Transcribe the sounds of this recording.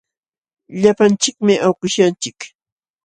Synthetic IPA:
ʎapant͡ʃɪkmɪʔawkʊʃant͡ʃɪk

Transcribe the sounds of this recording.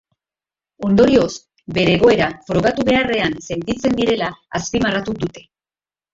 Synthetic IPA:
o̞nd̪o̞ɾio̞s | be̞ɾe̞ːɣ̞o̞e̞ɾafɾo̞ɣ̞at̪uβe̞are̞anse̞nt̪it͡se̞nd̪iɾe̞laːspimarat̪ud̪ut̪e̞

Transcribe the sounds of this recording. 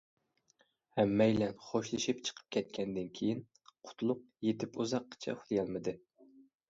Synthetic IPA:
hæmːɛjlɛnχoʃlˠɨʃipt͡ʃʰə̥qʰə̥p̚kʲʰɛt̪̚kʲʰɛnd̪ɪnkʲʰejin | qʰʊ̥t̪ʰlˠʊq̚jet̪ɪpuzɑqʰːə̥t͡ʃʰɛ̰χlˠjɑlˠmɨd̪ɨ

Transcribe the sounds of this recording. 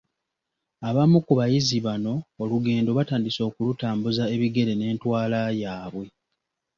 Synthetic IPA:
aβamukuβajiziβano̞ːluɡe̞ːndo̞βataːndiso̞ːkulutaːmbuzae̞βiɡe̞ɾe̞ne̞ːntwaːlajaːβwe̞

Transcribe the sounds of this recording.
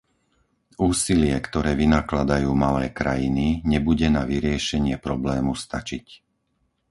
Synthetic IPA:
uːsilɪɛkt̪ɔɾɛːʋinaklad̪ajuːmalɛːkɾajiniɲɛbuɟɛnaʋiɾɪɛʃɛɲɪɛpɾɔblɛːmust̪at͡ʃic

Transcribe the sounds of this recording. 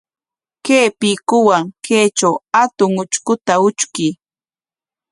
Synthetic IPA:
keːpikʊwaŋkʰeːt͡ʃawat̪ʊŋʊt͡ʃkʊt̪aʊt͡ʃkɪ

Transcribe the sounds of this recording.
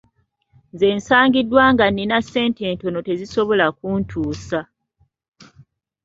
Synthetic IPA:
nze̞ːnsaːŋɡidːwaːŋɡanːinasːe̞ːnte̞ːnto̞note̞ziso̞βo̞lak̚uːntʰuːsa

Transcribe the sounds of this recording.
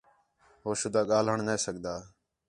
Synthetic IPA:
ɦoːʃʊd̪aːɠaːl̤əɳneːsəɠd̪aː

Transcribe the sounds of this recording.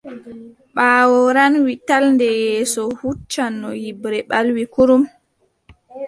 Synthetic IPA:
ɓaːwɔɾanwitalndɛjɛːsɔhut͡ʃːanːɔjibɾɛɓalwikuɾum

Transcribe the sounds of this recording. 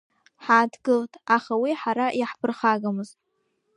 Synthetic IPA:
ħaːdʰɡɨltʼaχawiħaɾajaħpʰɨrχaɡamɨztʼ

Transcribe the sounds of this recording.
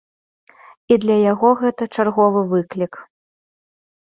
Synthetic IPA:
id̪lʲɐjaɣɔɣɛt̪ɐt͡ʂarɣɔvɨvɨklʲik

